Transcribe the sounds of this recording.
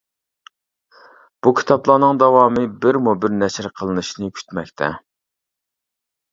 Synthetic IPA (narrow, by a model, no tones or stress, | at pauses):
b̥ukʲʰi̥t̪ʰɑplˠɑːnɨŋd̪ɛwɑːmɨbɪɾmubɪɾnɛʃɾqʰəlˠɨnɨʃnɨkʲʰy̥t̪mɛkʲt̪ʰɛ̰